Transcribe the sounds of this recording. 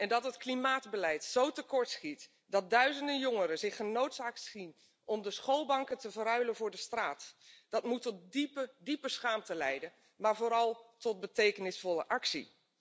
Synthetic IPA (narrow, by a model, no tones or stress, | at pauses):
ɛndɑtɦətklimaːdbəlɛjtsowtəkɔɹtsχit | dɑt̚dœɥzəndənjɔŋəɾəzɪχənowtsaːk̚tsin | ʔɔmdəsχoːlˠbɑŋkətəvəɾœɥləvʊːɹdəstraːtd̥ɑtmutɔt̚dipədipəsχaːmtəlɛjdən | maːɹvoːɾɑlˠtɔt̚bətejkənɪsfɔlə̰ʔɑksḭ